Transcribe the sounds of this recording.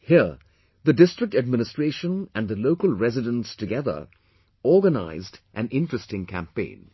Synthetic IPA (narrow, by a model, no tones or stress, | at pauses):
hiə | ðədɪstɹ̥ɪk̚tɨd̚mɪ̃nɨstɹ̥eɪʃə̃næ̃nðəloʊkəlˠɹɛzɪdə̃nstʰɨɡɛðə̰˞ | ɔːɡəna̰ɪzdʔæ̃nɪ̃ntɹ̥ɨstɪ̃ŋkʰæ̰̃mpḛ̃ɪ̃n